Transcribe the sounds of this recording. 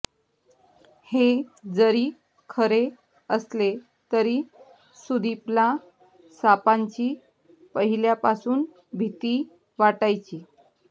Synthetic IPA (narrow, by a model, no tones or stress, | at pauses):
hed͡zəɾiː | kʰəɾe | əsle | t̪əɾiː | sud̪ʱiplã | sapaɲt͡ɕiː | pəɦiljapasuːn | bʱit̪iː | ʋaʈajt͡ɕiː